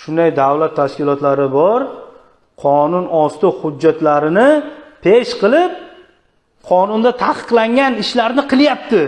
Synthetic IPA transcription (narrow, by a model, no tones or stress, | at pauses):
ʃʊnd̪ajd̪awlat̪ʰːaʃkʲɪlˠɒt̪laɾɪbɒɾ | qʰɒnʊnɒst̪ʊhʊd͡ʒːat̪laɾɪnɪpʰe̞ʃqɨlˠɪp̚ | qʰɒnʊnd̪at̪ʰaqɨ̥qlˠaŋɡʲanɪʃlaɾnɪqʰɨlˠjap̚t̪ʰɪ